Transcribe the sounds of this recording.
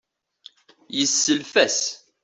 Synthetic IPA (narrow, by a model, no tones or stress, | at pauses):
jəsːəlfæs